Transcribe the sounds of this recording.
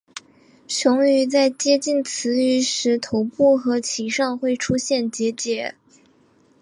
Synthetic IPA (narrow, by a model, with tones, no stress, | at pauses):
t͡ɕʰjʊ˧˥ŋy˧˥t͡sa˥˩ɪt͡ɕjɛ˥t͡ɕi˥˩nt͡sʰɹ̩˧˥y˧˥ʂɻ̩˧˥t̪ʰo˧˥ʊpu˥˩xɤ˧˥t͡ɕʰi˨˧˩ʂɑ˥˧ŋxwe˥˩ɪʈ͡ʂʰu˥ɕjɛ˥˩nt͡ɕjɛ˧˥t͡ɕjɛ˧˥˦